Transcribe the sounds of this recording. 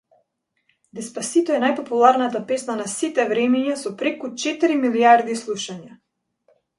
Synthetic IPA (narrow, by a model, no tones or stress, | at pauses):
d̪ɛspasit̪ɔɛnajpɔpulˠaɾnat̪apɛsnanasit̪ɛvɾɛmiɲasɔpɾɛkut͡ʃɛt̪iɾimiliaɾd̪islˠuʃaɲa